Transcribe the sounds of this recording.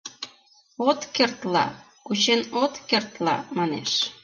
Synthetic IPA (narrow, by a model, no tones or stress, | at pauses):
ot̪kert̪lɑ̰ | kut͡ɕenot̪kert̪lɑ̰mɑnḛʃ